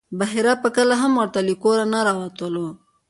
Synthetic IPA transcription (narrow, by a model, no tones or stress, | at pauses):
baɦiɾapəkəlaɦamwəɾt̪alikoɾanaɾɑwat̪əlo